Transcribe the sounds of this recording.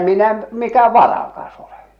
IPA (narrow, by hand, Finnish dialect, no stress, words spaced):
minæ m mikæ ʋɑrɑkɑs ole̥